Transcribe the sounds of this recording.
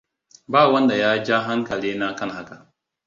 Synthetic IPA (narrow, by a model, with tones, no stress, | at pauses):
baː˦˨wɐ˦nda˨jaː˦d͡ʒa˦ɦa˦ŋkɐ˨liː˦na˦kɐ˦nɦa˦ka˨